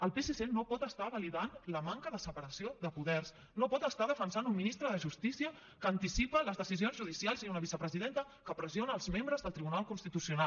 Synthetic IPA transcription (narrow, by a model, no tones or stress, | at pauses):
əlˠpesesenopɔt̪əst̪aβəliðanləmaŋkəðəsəpəɾəsioðəpuðɛrs | nopɔt̪əst̪aðəfənsanumminist̪ɾəðəʒust̪isiə | kəːnt̪isipələzðəsizionzʒuðisialˠziunəβisəpɾəziðent̪ə | kəpɾəzionəːlˠzmembɾəzðəlˠt̪ɾiβunalˠkunst̪it̪usiuna